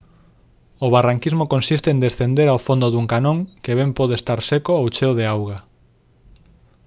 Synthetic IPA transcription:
oβaraŋkizmokonsist̪end̪esθend̪eɾawfond̪oðuŋkanõŋkeβ̞empoðest̪aɾsekoowt͡ʃewðeawɣa

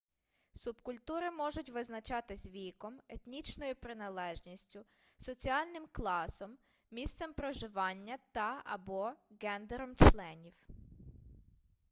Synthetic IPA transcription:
subkʊlʲt̪uɾɪmɔʒʊtʲʋɪznɐt͡ʃɑt̪ɪzʲʋʲikɔmet̪nʲit͡ʃnɔjupɾɪnɐlˠɛʒnʲisʲtʲʊ | sɔt͡sʲiɑlʲnɪmklˠɑsɔmːʲ | ist̪sɛmpɾɔʒɪʋɑnʲːɐt̪ɐɐ̰bɔɣɛnd̪eɾɔmt͡ʃlˠɛnʲiw

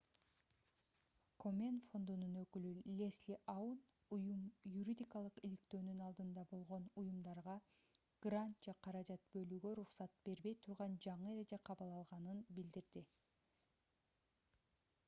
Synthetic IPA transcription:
kʰo̞mʲenfo̞nd̪ununø̞kylylʲe̞slʲiʔaun | ujumjuɾʲid̪ʲikɑlˠɯqilik̚t̪ø̞ːnynɑlˠd̪ɯnd̪ɑbo̞lˠʁo̞nujumd̪ɑɾʁɑ | ɡ̥rant̪̚d͡ʒeqʰɑɾɑd͡ʒɑt̪̚bø̞lyɡø̞ɾuqsɑt̪̚b̥e̞ɾbe̞jt̪ʰuɾʁɑnd͡ʒɑɴɯeɾe̞d͡ʒeqʰɑβɯlˠɑlˠʁɑnɯnbild̪iɾd̪i

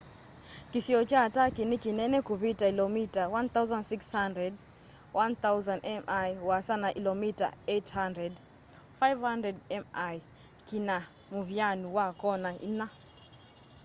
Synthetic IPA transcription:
kisiɔt͡ʃatakinikinɛnɛkuβitailɔmitawant̪auzãnsikshandɾɛd̚ | wʔanθauzandɛmʔajwasanaʔilɔmita̰ethandɾɛd | fajvhandɾɛdɛmaj | kina | muβianuwakɔnaina

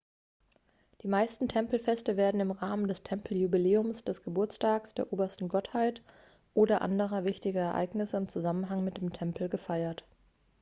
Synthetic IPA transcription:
d̥iːmaɪstn̩tʰɛmpl̩fɛstəveːɐdn̩ɪmʁaːməndɛstʰɛmpl̩jubileːʊmsd̥ɛsɡ̥əbʊɐt͡stʰaːksd̥eːɐʔoːbɐstn̩ɡɔthaɪt | ʔoːdɐʔa̰ndəʁ̞ɐvɪçtɪɡɐɛɐʔa̰ɪɡnɪsəɪmt͡suzamənɦaŋmɪt̚d̥eːmtʰɛmpʰl̩ɡəfaɪɐt

